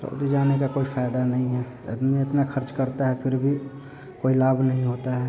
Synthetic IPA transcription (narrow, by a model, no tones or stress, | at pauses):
so̰ʊd̪id͡ʒaːnekakoːifʰaːɪd̪anɐɦĩɦɛ | ɪ̰t̪eɪt̪naxʰəɾt͡ʃkəɾt̪aɦɛpʰɪɾbʱi | koːilaːbʱnɐɦĩɦoːt̪aɦɛː